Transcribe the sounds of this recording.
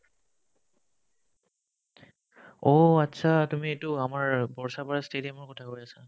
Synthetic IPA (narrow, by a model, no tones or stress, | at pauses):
oatːsʰatumietʊamaɹbɔɹsapaɹastedijamɔɹkɔtʰakoɹjasa